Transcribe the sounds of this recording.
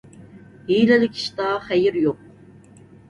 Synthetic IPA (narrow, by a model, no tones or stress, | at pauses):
hijlɪlɪkʲʰi̥ʃt̪ɑχɛjɪɾjoq̚